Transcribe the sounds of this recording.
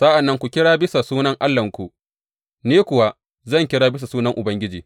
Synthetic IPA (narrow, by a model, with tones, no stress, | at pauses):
sa˦ʔa˨nːɐ˦ŋkʷu˨kʲɪ˦ɽaː˦bɪ˦sa˨suː˦nɐ˦ŋʔa˦lːɐ˨ŋkʷu˨ʔ | neː˦kʷʊ˨wa˦ | zɐ˦˨ŋkʲɪ˦ɽaː˦bɪ˦s̬a˨suː˦nɐ˦ŋʔʊ˨bɐ˦ŋɡʲɪ˦d͡ʒiː˨